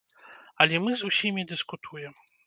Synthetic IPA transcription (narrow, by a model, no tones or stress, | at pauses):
ɐlʲɛmɨzusʲimʲid̪ɨskut̪ʰujɛm